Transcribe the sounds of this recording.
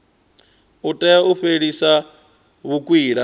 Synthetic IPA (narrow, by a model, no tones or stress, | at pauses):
utʼɛauɸeɺisa | βukʼwiːɺa